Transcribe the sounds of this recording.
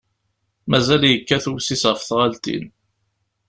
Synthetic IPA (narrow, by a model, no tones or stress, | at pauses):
mæzæljəkːæθuwsisʁəfθʁælt̪ḭn